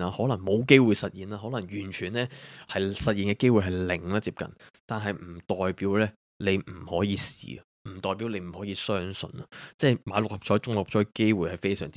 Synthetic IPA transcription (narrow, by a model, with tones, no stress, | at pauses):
aː˧hɔː˨˥lɐ˨˩ŋmo˨˧wke˥jwuː˨jsɐ˨t̚jiː˨naː˧˩ɦɔː˨˥lɐ˨˩ŋjyː˨˩nt͡ʃʰyː˨˩nlɛː˥hɐ˨jsɐ˨t̚iː˨nkɛː˧ke˥jwuː˨˩jɦɐ˨˩jlɪ˨˩ŋlaː˧t͡siː˧p̚kɐ̰˨nt̪aː˨nɦɐ˨jm̩˨˩t̪ɔː˨jpiː˨˥wlɛː˥ | le˨˧jm̩˨˩hɔː˨˥jiː˨˧sḭː˨˩˨m̩˨˩t̪ɔː˨jpiː˨˥wle˨˧jm̩˨˩hɔː˨˥jiː˨˧sœː˥ŋsɵ̰˨˧nɐ˨t͡sɛː˥˩jmaː˨˧˥lʊ˨k̚hɐ˨p̚t͡ʃʰɔː˨˥jt͡sʊ˥ŋlʊ˨p̚t͡ʃʰɔː˨˥jke˥jwuː˨jhɐ˨jfe˥jsœ̰ː˨˩ŋt͡si˥